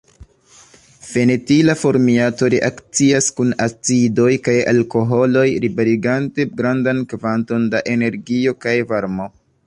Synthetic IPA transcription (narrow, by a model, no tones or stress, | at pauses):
fe̞netilafo̞ɾmiato̞ɾeʔakt͡siaskunat͡sido̞jkaja̰lko̞ɦo̞lo̞jɾibeɾiɡante̞ɡɾandankvanto̞ndaʔe̞ne̞ɾɡio̞kajvaɾmo̞